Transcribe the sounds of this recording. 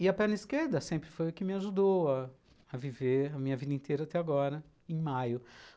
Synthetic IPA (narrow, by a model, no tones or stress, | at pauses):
ɪɐpɛ̃nɐiskeɾd̪ɐsẽmpɾɪfojʊkɪmɪaʒud̪owaː | viveɾɐmĩɲɐvid̪ɐĩt̪eɾɐat̪ɛaɡɔɾɐ | ẽj̃majʊ